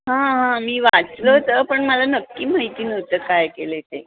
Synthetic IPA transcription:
ɦãɦãmiːʋat͡slət̪əpəɳməlanəkːiːm̤əjt̪iːnəot̪əːkajkelet̪e

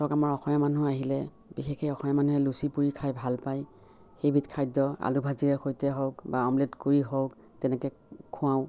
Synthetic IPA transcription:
sɔkamaɹɔxʰɔjamanuaɦilɛ | bixʰexʰejɔxɔjamanuɦɛlusipuɹikʰajbʱalpaj | xejbʱitkʰajdɔa̰lubʱaziɹɛxojtɛɦɔwkbaɔmledkoɹiɦɔwk | tɛnɛkɛ | kʰʊ̃ãʊ̃

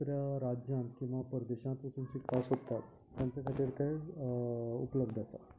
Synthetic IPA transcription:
ɾjaɾad͡ʑjãnt̪kĩw̃ʋapəɾd̪eɕãnt̪pasũmsiːkʰasɦot̪at̪ːjãnt͡sekʰat̪iːɾt̪e | ṵpləbd̪ʱasa̰

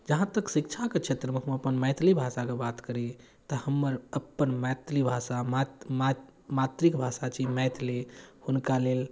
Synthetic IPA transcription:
d͡ʒəɦãt̪əksikt͡ʃʰaket͡ʃʰet̪ɾəmekʰmeəpənmɛɪt̪ʰlibʱasakebat̪kəɾi | t̪əhəmːəɾəpːənmɛjt̪libʱasamama | mat̪ɾikbʱasat͡ʃʰimɛjt̪ʰlihunkalel

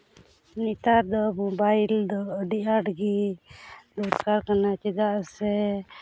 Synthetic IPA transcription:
nit̪aɾd̪ɔmɔbajld̪ɔːɖiʔaɖɡi | lɔt̪kaɾkanat͡ʃɛd̪aʔsɛ

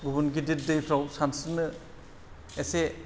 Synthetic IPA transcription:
ɡubunɡidit̚dejpʰɾawsansimɯ | ese

